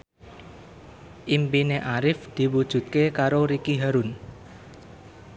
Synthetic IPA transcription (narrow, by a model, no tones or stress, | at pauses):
ʔimpineʔaɾɪfd̪̥i̤wud̥ʒ̥ṳt̪̚kekaɾoɾikiɦaɾʊn